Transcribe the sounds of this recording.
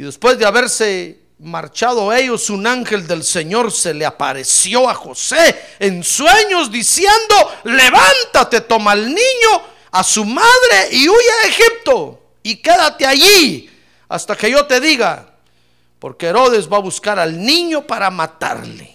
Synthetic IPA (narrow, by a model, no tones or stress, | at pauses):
iðe̞spwe̞zd̪eaβeɾse | maɾt͡ʃaðoe̞ʝo̞sunaŋxe̞ld̪e̞lse̞ɲo̞ɾse̞leapa̰ɾe̞sjo̞axo̞seːnswe̞ɲo̞zd̪isje̞nd̪o̞le̞βant̪at̪e̞t̪o̞malnĩɲo | asumaðɾe̞ʔiuʝaexip̚t̪o̞ | ike̞ðat̪eaʝi | a̰st̪ake̞ʝo̞t̪e̞ðiɣa̰ | po̞̰ɾkeeɾo̞ðe̞zβaβuskaɾalnĩɲo̞paɾamat̪a̰ɾlḛ